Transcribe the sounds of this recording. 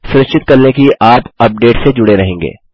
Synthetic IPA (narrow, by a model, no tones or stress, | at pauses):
sʊɾɪʃt͡ʃɪt̪̚kɐɾnekiʔaːt̪ɐp̚ɖeːʈsed͡ʒʊɽeɾɐɦẽːŋɡḛː